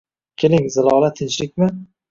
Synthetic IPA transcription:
kʲʰelɪŋzɪlˠɒlˠat̪ʰɪnt͡ʃlɪk̚ʲmɪ

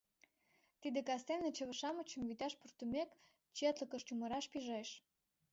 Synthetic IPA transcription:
t̪id̪ĕkɑst̪enət͡ɕəβə̆ʃɑmət͡ɕə̆mβyt̪ɑʃpurt̪umek | t͡ɕet̪lə̆kə̆ʃt̪uməɾɑʃpiʒeʃ

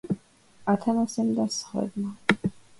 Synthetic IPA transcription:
at̪ʰanasɛmd̪asχwɛ̰b̪ma

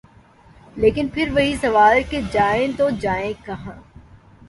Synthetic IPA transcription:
leːkɪnpʰɪɾʋɐɦisɐʋaːlked͡ʒaːẽt̪od͡ʒaːẽkɐɦãː

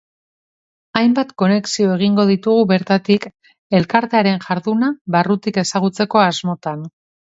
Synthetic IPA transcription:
ajmbat̪ko̞ne̞ksio̞e̞ɣ̞iŋɡo̞ð̞it̪uɣuβe̞ɾt̪at̪ik | e̞lkaɾt̪eaɾe̞nʝaɾðunaβarut̪ike̞saɣ̞ut͡se̞ko̞azmo̞t̪an

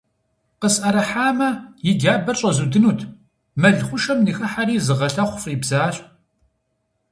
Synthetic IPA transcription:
qəsɐɾɐħaːmɐjɪɡaːbɐrɕʼɐzudɨnuːtʰ | mɐɮχʷʊʃɐmnixɐħaɾiːzɨʁɐɬɐχʷʊfʼiːbzaːɕʼ

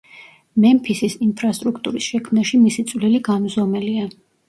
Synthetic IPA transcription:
mɛmpʰisisimpʰɾast̪ʼɾukʰt̪ʼuɾisʃɛkʰmnaʃimisit̪sʼvliliɡanuzɔmɛlia

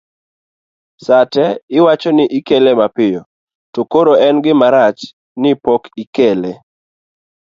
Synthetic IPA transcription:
satɛɪwat͡ʃɔnɪʔikelemapɪjɔ | tokoɾoɛnɡɪmaɾat͡ʃ | nɪpɔkikele

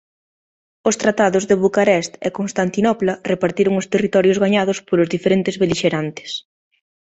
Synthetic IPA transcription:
ʊst̪ɾat̪aðʊzðeβukaɾɛst̪ekonst̪ant̪inɔplarepaɾt̪iɾʊŋʊst̪erit̪ɔɾjozɣaɲaðʊspolʊzðifeɾent̪ɪzβeliʃeɾant̪ɪ̥s

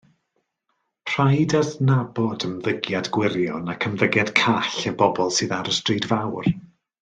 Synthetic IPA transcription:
pʰr̥ajdaðnabɔdəmðəɡjadɡwɪɾjɔnakʰəmðəɡjad̥kʰaɬəbɔbɔlˠsɨːðaɾəstriːdvawr

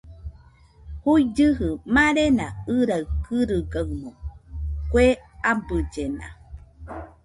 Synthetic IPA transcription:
hujd͡ʒɨɦɯmãɾenãɨɾaɨkɨɾɨɡawmõkʷeabɨd͡ʒenã̰

